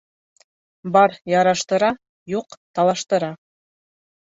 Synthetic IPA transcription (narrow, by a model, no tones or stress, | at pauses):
bɑɾjɑɾɑʃt̪ɤ̆ɾɑ | juqt̪ɑlˠɑʃt̪ɤ̆ɾɑ